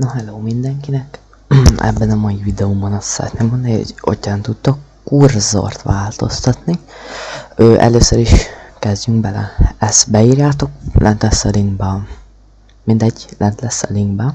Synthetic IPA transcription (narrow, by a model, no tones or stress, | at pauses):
nɒɦɛloːmind̪ɛŋkinɛk | ɛ̰bːɛnɒmɒivid̪ɛumbonɒt̪sɛɾɛ̰t̪neːmond̪nio̰ɟo̰cːaːnt̪ut̪ːɒkː | urzo̰rt̪ʋaːlt̪o̞̰st̪ɒt̪ni | øːʔɛ̰løːsøɾiʃkɛzɟyŋɡbɛlɛ̰ɛst̪bɛiːrjaːt̪o̞klʔɛ̰nt̪lɛsɛliŋbɛ | mind̪ɛɟːlʔɛnt̪lɛsɛ̰liŋɡbɛ